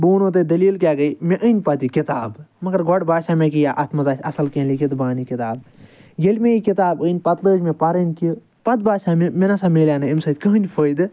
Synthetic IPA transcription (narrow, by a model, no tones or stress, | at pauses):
boːnot̪ed̪ɐliːlkʲɛɡəjmeʔənʲpɐt̪ikit̪aːbmɐɡɐɾɡɔɽbaːʃaːmẽkijaʔɐt̪ʰmɐzaːsʲɐsɐlkẽnlikit̪baːnikɪt̪aːbjelʲmeikit̪aːbənʲpɐt̪ləːd͡ʒmẽpɐɾənʲki | pɐt̪̚baːʃamemenasameːlʲjaːnɨimsɐːt̪ʲkəɦɨnʲpʰəjd̪ɨ